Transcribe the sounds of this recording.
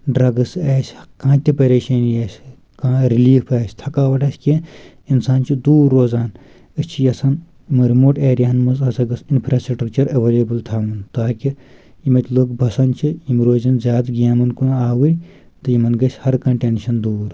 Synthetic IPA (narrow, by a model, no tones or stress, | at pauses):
ɖɾɐɡɐseːsʲkãːt̪ʲipɐɾeːʃɐnjeːsʲ | kãːɾiliːfaːsʲt̪ʰɐkaːʋɐʈʰɐːsʲki | insaːnt͡ʃʰid̪uːɾːoːzaːn | ɨt͡ʃʰijɐsɐn | mɐɾmoʈeːɾjaːnmɐzɐsɐɡɐsinpʰɾaːsʈɾɐk̚t͡ʃɐɾɐʋeːlebɨlt̪ʰaːmunt̪aːki | imɐt̪ʲloːkbʱɐsɐnt͡ʃʰiimɾoːzɐnzʲjaːd̪ɡiaːmɐnkunaːwɨnʲ | t̪ɨjimɐnɡɐsʲhɐɾkɐ̃ɳʈeːnʃɐnd̪uːɾ